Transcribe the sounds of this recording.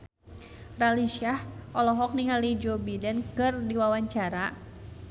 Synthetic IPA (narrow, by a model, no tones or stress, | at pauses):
ralisiahʔɔlɔɦɔk̚niŋalid͡ʒobidɛnkɨrdiwawaɲt͡ʃaɾa